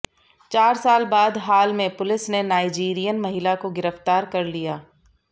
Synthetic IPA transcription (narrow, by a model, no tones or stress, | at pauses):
t͡ʃaːɾsaːlbaːd̪ɦaːlmẽpʊlɪsnenaːɪd͡ʒiːɾijənmɐɦɪlakoɡɪɾəft̪aːɾkɐɾlijaː